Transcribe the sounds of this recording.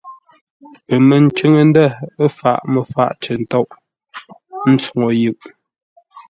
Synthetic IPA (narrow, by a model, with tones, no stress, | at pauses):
pə˨mə˨n̩˨t͡ʃə˦ŋə˦˨n˦də˦˨ə˦fa˨ʔmə˨fa̰˦˨ʔt͡ʃə˨n˨tɔ˦ʔ | n̩˦t͡su˨ŋo˨jʉ˨ʔ